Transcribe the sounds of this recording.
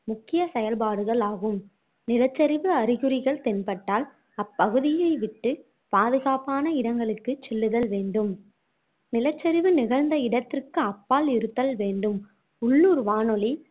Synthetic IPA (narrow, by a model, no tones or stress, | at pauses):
mʊkːɪjɐsɛjɐlpaːɽɯɣɐɭaːɣɯm | nɪlɐt͡ʃːɐɾɪʋɯɐɾɪɣɯɾɪɣɐɭt̪ɛnpɐʈːaːl | ɐpːɐɣɯðɪjɐɪʋɪʈːɯ | paːðɯɣaːpaːnɐɪɽɐŋɡɐɭɯkːɯt͡ʃːɛlːɯðɐlʋeːɳɖɯm | nɪlɐt͡ʃːɐɾɪʋɯnɪɣɐɻnd̪ɐɪɽɐt̪ːɪrkɯɐpːaːlɪɾɯt̪ːɐlʋeːɳɖɯm | ʊɭːuːɾʋaːnɔɭi